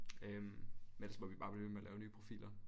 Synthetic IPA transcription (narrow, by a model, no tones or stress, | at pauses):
ømmene̥lsmɒ̽mʋib̥ɑ̈b̥leʋemeɐlʔɛːʊnyːpʰʁo̝fḭːlɐ